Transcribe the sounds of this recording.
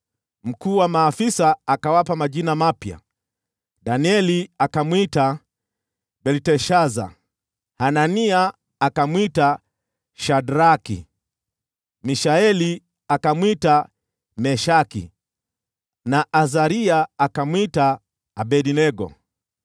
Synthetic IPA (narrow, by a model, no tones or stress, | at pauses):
m̩kuːwamaːfisaːkawapamaʄinamapja̰ | daniɛliakamwita | bɛltɛʃaza̰ | hananiaː | kamwita | ʃadɾakḭ | miʃaɛli | akamwita | mɛʃakḭ | naʔazaɾiaːkamwitaː | bɛdinɛɡɔ̰